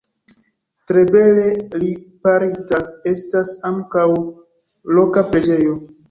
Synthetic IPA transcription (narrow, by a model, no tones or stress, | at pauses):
tɾe̞be̞le̞lipaɾitae̞stasaŋkaw | lo̞kapɾe̞d͡ʒe̞jo̞